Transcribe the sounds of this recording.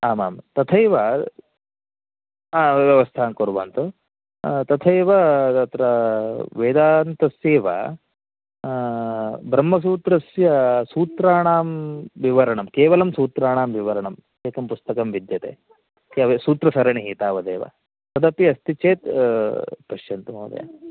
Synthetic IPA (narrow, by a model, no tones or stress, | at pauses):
aːma̰ːmt̪ɐt̪ʰɐjʋɐ | aːʋjɐʋɐst̪ʰaːnkoɾʋa̰ːnt̪u | t̪ɐt̪ʰɐjʋɐɐt̪ɾɐʋeːd̪aːnt̪ɐsjeːʋɐ̰ | bɾɐmːɐs̬uːt̪ɾɐsjɐsuːt̪ɾaːɳaːmʋiʋɐɾɐɳɐmkeːʋɐlɐmsuːt̪ɾaːɳaːmʋiʋɐɾɐɳɐm | eːkɐmpust̪ɐkɐmʋid̪jɐt̪ḛ | keʋɐsuːt̪ɾɐsɐɾɐɳiɦiːt̪aːʋɐd̪eːʋɐ̰ | t̪ɐd̪ɐpiɐst̪it͡ʃeːt̪ | pɐʃjɐnt̪mɐːd̪ɐ̰jɐ̰